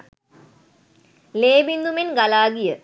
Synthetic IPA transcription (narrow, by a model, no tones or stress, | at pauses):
leːbind̪umenɡɐlaːɡijə